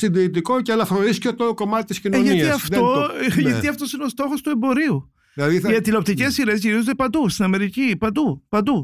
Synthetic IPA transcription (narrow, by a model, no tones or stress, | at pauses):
sind̪iit̪ikoceɐlɐfoɾiscot̪oko̞mɐt̪i̥t̪iscinenʝɐt̪iɐfðoʝɐt̪iɐft̪o̞sineo̞st̪o̞xost̪ue̞mbo̞ɾiu | ilɐðiʝɐt̪ilop̚t̪ice̞siɾezʝiɾizond̪epɐnd̪ust̪inɐme̞ɾicipɐnd̪upɐnd̪u